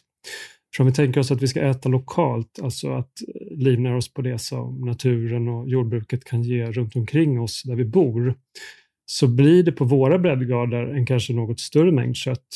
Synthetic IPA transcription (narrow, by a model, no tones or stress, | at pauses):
fœɾɔmvɪt̪ʰɛŋkəɾɔsat̪vɪskaɛːt̪alʊkʰɑːlt̪ʰalt̪sɔ̰at̪liːvnaɾɔspʰɔd̪ɛsɔ̰mnat̪ʰʉ̟ːɾənɔjuːɖ̚bɾʉ̟ːkət̪kʰanjeːɾɵnt̪ɔmkʰɾɪŋːɔsd̪æɾvɪbuːɾ | sɔblɪɖɛpʰɔvoːɾabɾɛd̪ɡɑːɖəɾɛnkʰanʂənoːɡɔt̪st̪ɵɾəmɛ̰ŋd̪ɕœt̪ː